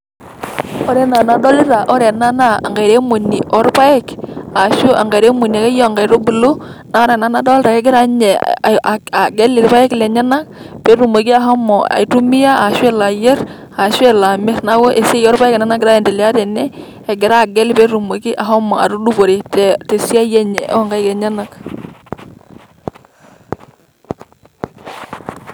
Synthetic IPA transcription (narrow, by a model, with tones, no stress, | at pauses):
ɔ˦ɾɛ˨na˨na˨dɔ˦li˦ɾa˨ʔɔ˦ɾɛ˨na˦na̰ː˦˨ŋɡa˨jɾe˦mo˨ni˨ʔɔ˦ɾpa˦ɪ˦ka˨ʃo˦ʔa˨ŋɡa˨ɾe˦mo˨ni˨a˨ke˦jɔ˦a˨ŋɡa˨i˨ɾo˦bu˨lo˦na˨˦ɾɛ˨na˦na˦dɔ˦lɪ˦ɾa˨kɛ˦ɡɪ˦ɾa˦ɲɛ˨ | a˨ɡɛ˦lɪ˨ɾpa˦ɪ˦klɛ˨ɲa˦na˦k̚ | pe˦ɾu˨mo˨ɡi˦a˨ɦɔ˦mɔ˨a̰˨i˨tu˦mi˦ja˦a˨ʃwe˦la˨je˦ɾ | a˨ʃwɛ˦la˨mɪ˦ɾna˦wɔ˦ʔe˨se˦jɔ˦ɾpa˦ɪ˦ke˨na˦na˦ɡɪ˨ɾa˦jɛ˨nde˨lɪ˨a˦tɛ˨nɛː˦˨ | ɡɪ˨ɾa˦˨ɡɛ˦lpe˦ɾu˨mo˨ki˦ʔa˨ɦɔ˦mɔ˨a̰˨ɾu˦du˦bo˨ɾi˨tɛ˨te˨si˦a˦jɛ˦ɲɛ̰˨ʔŋɡa˦ɪkɛ˨ɲa˦na˨k